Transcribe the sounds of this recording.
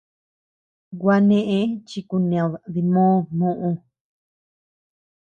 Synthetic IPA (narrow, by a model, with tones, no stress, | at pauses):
ɡwa˧nẽ˦ʔẽ˦t͡ʃi˧ku˧n˧ã˨ði˧mõː˦nũ˦ʔũ˧